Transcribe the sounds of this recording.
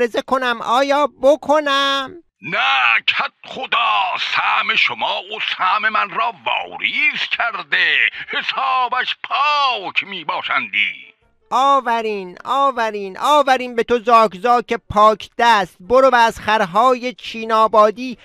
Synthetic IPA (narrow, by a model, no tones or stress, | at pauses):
ɾe̞ze̞kʰo̞næmʔɒːjɒːbokʰonæm | nækʰæt̪̚χod̪ɑːsæːmeʃomɑːosæːme̞mænɾɑːvɒ̰ːɾiːscʰæɾd̪ehesɑːbæʃpʰɑkʰmiːbɒːʃænd̪ḭː | ʔɒːvæɾiːnɒːvæɾiːnʔɒːvæɾiːnbe̞t̪ʰozɒːkzɒːce̞pʰɒːkʰd̪̥æst̪̚boɾovæːz̥χæɾɦɒːjet͡ʃʰiːnɒːbɒːd̪iː